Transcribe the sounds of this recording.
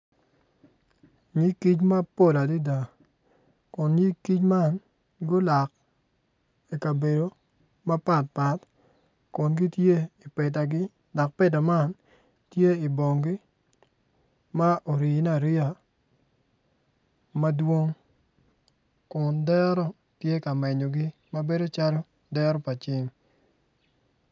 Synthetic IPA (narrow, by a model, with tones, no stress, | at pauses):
ɲi˦ki˦t͡ʃma˦po˦˨la˨di˦da˨ | kʊ˨nji˦ki˦t͡ʃma˦n | ɡʊ˦la˨k | i˨ka˨be˨do˨ | ma˦pa˦˨t̚pa˨t | kʊ˨nɡi˦tje˦i˨pɛ˨ta˨ɡɪ˦ | da˨k̚pɛ˦d̬a˨ma˦˨n | tje˦i˨bo˨ŋɡi˦ | ma˦ʔo˨ɾi˨na˨ɾɪ˦a˨ | ma˦dwo˦ŋ | kʊ˨ndɛ˦ɾɔ˦ | tje˦ka˨mɛ˨ɲo˨ɡɪ˦ | ma˦be˦do˦t͡ʃa˦ɾo˦ | dɛ˦ɾɔ˦pa˨t͡ʃɪ˦m